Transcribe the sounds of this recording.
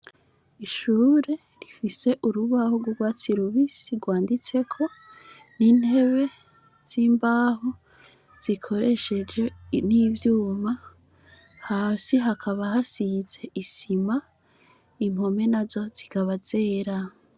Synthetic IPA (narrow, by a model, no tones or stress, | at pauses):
iʃuːɾe̞ | ɾifise̞ʔuɾuβahoɡwoɡwaːt͡siɾuβisiɡwaːndit͡se̞kʰo̞ | niːnhe̞βe̞ | z̥iːmbaːɦo | z̥ikʰo̞ɾe̞ʃe̞d͡ʒe̞niːvjuːma | haːsiɦakʰaβaɦasize̞ʔisima | imho̞me̞nazo̞z̥ikaβaze̞ːɾa